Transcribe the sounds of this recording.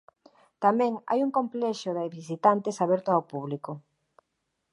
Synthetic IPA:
t̪amɛ̃ŋa̰juŋkomplɛʃoðaβisit̪ant̪ɪsaβɛɾt̪ʊawpuβliko

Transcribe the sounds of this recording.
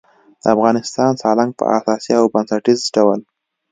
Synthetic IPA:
d̪̥əafɣɑnɪst̪ɑnsɑlaŋɡ̚pə̰ʔa̰sɑsjiawbansaʈizɖawəl

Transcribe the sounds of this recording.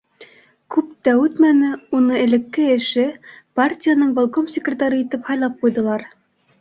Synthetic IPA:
kʉpt̪æʉt̪mænɘunɤɘ̆lɘ̆kːɘɘ̆ʃɘpartʲijanɤɴbalˠkomsʲekrʲɪt̪aɾɤit̪ɘphɑjlˠɑp̚qujðɤ̆lˠɑɾ

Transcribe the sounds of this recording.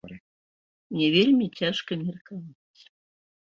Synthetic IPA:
mnʲɛvʲelʲmʲit͡sʲaʂkɐmʲɛrkavat͡sʲ

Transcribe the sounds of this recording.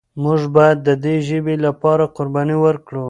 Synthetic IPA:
mʊʐbɑjad̪ːəd̪eʒəbelapɑɾaqʊɾbɑniwəɾkɽu

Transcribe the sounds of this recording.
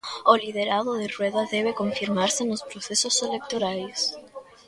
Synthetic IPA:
olið̞eɾaðoðerweðɐðɛβ̞ekõɱfiɾmaɾsenospɾoθesoselek̚t̪oɾajs

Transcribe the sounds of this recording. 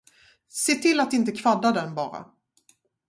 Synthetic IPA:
seːt̪ʰɪlːat̪ɪnt̪əkʰvad̪ːad̪ɛnbɑːɾa̰

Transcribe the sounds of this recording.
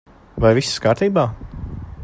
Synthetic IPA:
vajvisskaːɾt̪iːbaː

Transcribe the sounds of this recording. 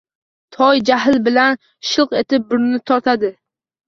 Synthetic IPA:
t̪ʰɒjd͡ʒaɦɪlbɪlan | ʃɨlˠqe̞t̪ɪp̚bʊɾnɪt̪ʰɒɾt̪ʰad̪ɪ

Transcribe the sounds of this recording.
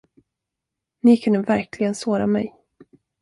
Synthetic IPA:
nikʰɵnd̪əvæɾkʰlɪɡənsoːɾamɛ̰j

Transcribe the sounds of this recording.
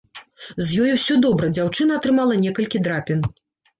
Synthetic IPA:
zjɔjuwsʲɔd̪ɔbɾɐd͡zʲawt͡ʂɨnɐːt̪ɾɨmalˠɐnʲɛkɐlʲkʲid̪ɾapʲin

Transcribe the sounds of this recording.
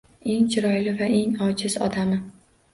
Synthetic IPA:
e̞ŋt͡ʃʰɪɾɒjlɪvaʔe̞ŋɒt͡ʃɪz̥ɒ̰d̪amɪ

